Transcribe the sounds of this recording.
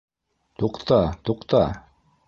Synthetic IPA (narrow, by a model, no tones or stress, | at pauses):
t̪uqt̪ɑt̪uqt̪ɑ